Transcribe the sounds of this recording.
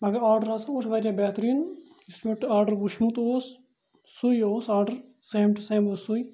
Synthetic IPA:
mɐɡɐɾaːɾɖɐɾasɐut͡ʃʰʋɐɾʲjabɛːt̪ɾiːn | ismiʈɨaːɾɖɐɾɡuʃmut̪oːsː | ujoːsaːɾɖɐɾseːmʈɨseːmoːsuj

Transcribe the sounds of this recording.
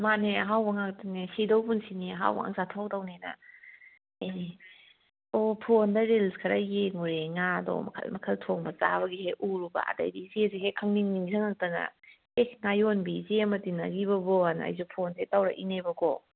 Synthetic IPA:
maneaɦawbɐŋak̚tanesidɔwpunsiniaɦa̰wba̰ŋa̰ŋzatʰawtawnena̰ | e | ɔpʰondaɾelskʰaɾajeŋuɾeŋadɔ̰mɐ̰kʰa̰lmɐkʰɐltʰɔŋbɐza̰bɐɡiheʔuɾuba̰a̰da̰jbizeziɦekʰaŋniŋniŋzaŋak̚tana̰ | ehŋajɔnbizemɐtina̰ɡibɐbɔana̰jzupʰontetawɾa̰ʔinebɐɡɔ̰

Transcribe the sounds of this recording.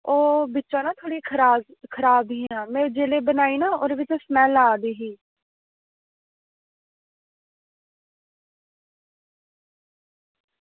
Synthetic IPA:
oːbɪːt͡ʃãːnãːt̪ʰoːɽiːkʰɾaːkʰəɾaːb̪ĩnãːmɛ̃ːd͡ʒeːleːbənaːiːnaːoːɾeʋɪt͡ʃosmɛ̃ːlːaːd̪iːɦiː

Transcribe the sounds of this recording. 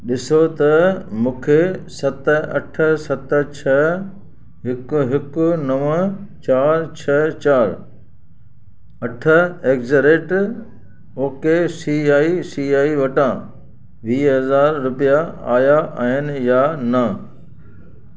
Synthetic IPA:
ɗɪsot̪ɐmũːkʰesɐt̪ɐ̰ʈʰəsɐt̪ə̆t͡ɕʰɐ | ɦɪkʊɦɪkʊnɐʋə̃t͡ɕaːɾt͡ɕʰɐt͡ɕaːɾ | ɐʈʰəeːkzəɾeːʈ | oːkesiːaːisiːaːiʋɐʈãː | ʋiːɦɐzaːɾːʊpijaa̰ːjaʔɦɪnɪ̆janɐ

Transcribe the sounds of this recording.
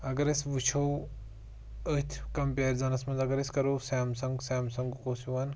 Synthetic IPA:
ɐɡɐɾɐsʋit͡ʃʰoː | ət̪ʰkɐmpeːɾzɐnɐsmɐnzɐɡɐɾɐsʲkɐɾoːsaːmsɐŋɡsaːmsɐŋɡkoːsiʋɐn

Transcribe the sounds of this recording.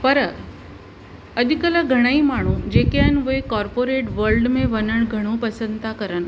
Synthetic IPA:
pəɾə | əd̪ʱikələɡʱəɽ̃əiːmaɽ̃ũːd͡ʑekjanʋəjkɔɾpoɾeʈʋəɾlɖmeʋənəɳɡʱəɽ̃uːpəsənt̪akəɾən

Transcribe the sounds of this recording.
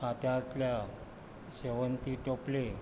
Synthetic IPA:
at̪jat̪lja | ɕeʋənt̪iʈople

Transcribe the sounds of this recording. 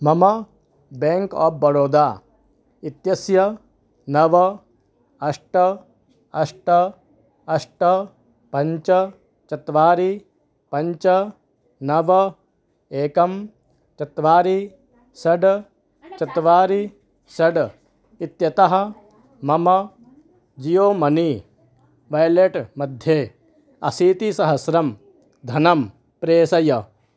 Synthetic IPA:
mɐmɐ | beːŋkaːp̚bɐɾoːd̪aː | it̪jɐsjɐ | nɐʋɐ | ɐʂʈɐ | ɐʂʈɐ | ɐʂʈɐ | pɐɲt͡ʃɐ | t͡ʃɐt̪ʋaːɾi | pɐɲt͡ʃɐ | nɐʋɐ | eːkɐm | t͡ʃɐt̪ʋaːɾi | sɐɖ | t͡ʃɐt̪ʋaːɾi | sɐɖ | it̪jɐt̪ɐɦɐ̆ | mɐmɐ | d͡ʒijoːmɐni | ʋɐjleʈmɐd̪ʱjeː | ɐsiːt̪isɐɦɐsɾɐm | d̪ʱɐnɐm | pɾeːsɐjɐ

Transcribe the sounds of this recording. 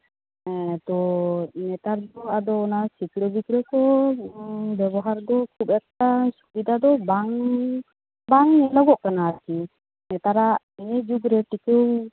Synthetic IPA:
ɛt̪ɔnɛt̪aɾd̪ɔad̪ɔːnasikɽɔbikɾɔkɔ | bɛbɔɦaɾd̪ɔkʰubɛkːasu̥bid̪ʱad̪ɔbaŋ | baŋnɛlɔɡɔʔkanaːɾki | nɛt̪aɾaʔ | iɲɛd͡ʒuɡɾɛʈikew

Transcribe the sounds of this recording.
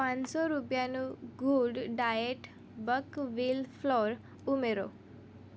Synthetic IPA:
pãnsɔɾupjanũɡʱuɖɖajeʈ | bəkʋilpʰlɔɾ | umeɾo̰

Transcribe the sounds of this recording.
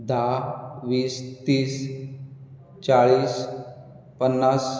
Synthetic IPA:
d̪aʋiːst̪iːs | t͡ɕaɭiːs | pənːas

